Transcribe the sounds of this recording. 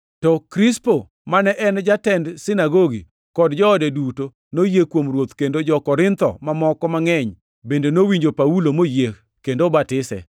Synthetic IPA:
tɔkɾispo | manɛʔɛnd͡ʒatɛndsɪnaɡoɡḭ | kɔdd͡ʒɔːdɛduto | nojekwomɾwot̪kendod͡ʒɔkɔɾɪnt̪ɔ̰mamɔkɔmaŋɛɲ | bendenowiɲd͡ʒopaulomoje | kendobatɪsɛ̰

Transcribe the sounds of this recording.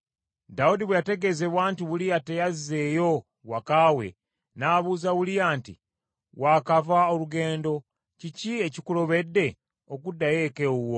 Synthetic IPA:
daudiβwejate̞ɡe̞ze̞βwaːntiβuliate̞jaze̞ːjo̞ | wakawe̞̰ | naːβuːzaβulijaːntḭ | waːkavaoluɡe̞ːndo̞ | cicie̞cikulo̞βe̞dːe̞ | okudːaje̞keuwo

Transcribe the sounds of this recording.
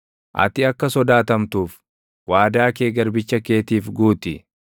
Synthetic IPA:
ʔɐ̰t̪ɪɐkːɐsɔd̪aːt̪ɐmt̪uːf | waːd̪aːke̞ːɡɐɾbɪt͡ʃːɐke̞ːt̪iːfɡuːt̪ɪ

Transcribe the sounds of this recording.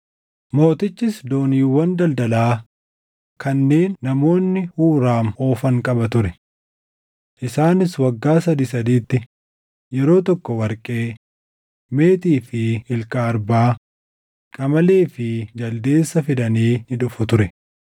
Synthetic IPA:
mo̞ːt̪ɪt͡ʃːɪsd̪o̞ːniːwɐnd̪ɐld̪ɐlaː | kʰɐnːeːnːɐmo̞ːnːɪhuːɾaːmoːfɐŋkʼɐbɐt̪ʊɾɛ | ʔɪsaːnɪswɐɡːaːsɐd̪isɐd̪iːt̪ːɪ | jɛɾo̞ːt̪ɔkːɔwɐɾkʼe̞ː | me̞ːt̪iːfɪɪlkaːɾbaː | kʼɐmɐle̞ːfɪd͡ʒɐld̪e̞ːsːɐfɪd̪ɐniːnɪᶑʊfʊt̪ʊɾɛ

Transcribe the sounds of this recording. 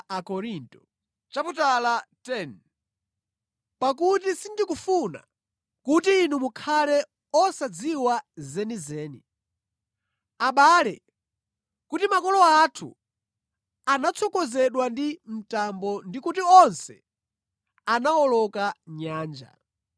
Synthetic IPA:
akɔɾintɔ | t͡ʃaputalatɛn | pak̬ut̬isindikufuna̰ | kutiːnumukʰalɛ | ɔsad͡ziwazɛnizɛːni | aɓaːlɛ | kutimakɔlɔatʰṵ | anat͡sʰɔkɔzɛɗwandim̩tambɔndikutiɔnsɛ | anaɔlɔkaɲaːnd͡ʒa̰

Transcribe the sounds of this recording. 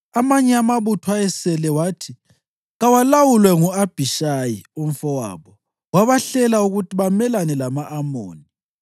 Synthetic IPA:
amaɲɛamaβutʰwaɛsɛlɛwaːtʰi | ɣawalawulwɛŋuab̥ʱiʃajium̩fɔwa̰ːβɔ | waβaɬɛlauɣutʰiβamɛlanɛlamaʔːmo̰ːni

